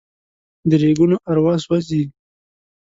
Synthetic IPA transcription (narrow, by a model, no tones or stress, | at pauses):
d̪əɾeɡunoʔaɾwɑswazi